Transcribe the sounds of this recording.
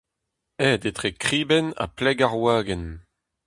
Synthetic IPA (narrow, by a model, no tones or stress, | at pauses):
ɛːd̪et̪ʁekχiːbɛna̰plɛɡaʁwaːɡɛn